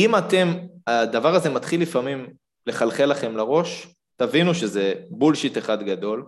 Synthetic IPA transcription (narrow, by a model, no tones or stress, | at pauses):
imat̪e̞mad̪avaʁaze̞mat̪χilːifamim | le̞χalχelaχe̞mlaʁo̞ʃ | t̪avinuʃezebulʃit̪eχad̪ɡad̪o̞l